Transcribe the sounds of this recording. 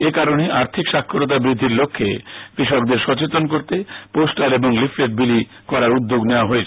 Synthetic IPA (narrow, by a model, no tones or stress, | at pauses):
ekaɾoneʔaɾt̪ʰikʃakʰːoɾot̪̬abɾid̪ʱːiɾlokʰːḛkɾiʃɔk̚d̪eɾʃɔt͡ɕet̪onkoɾt̪eposʈaɾeboŋlifʰleʈ̚bili | kɔɾaɾud̪ːoɡneoaɦoet͡ɕʰ